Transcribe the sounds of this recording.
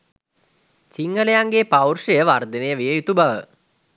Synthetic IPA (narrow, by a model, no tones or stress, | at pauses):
siŋɡəlejaŋɡeːpawrʂəjəʋard̪ənejəʋijəjut̪ubaʋə̰